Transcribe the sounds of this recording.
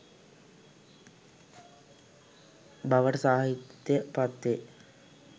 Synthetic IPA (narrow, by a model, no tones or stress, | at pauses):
baʋəʈəsaːɦit̪jəpat̪ʋe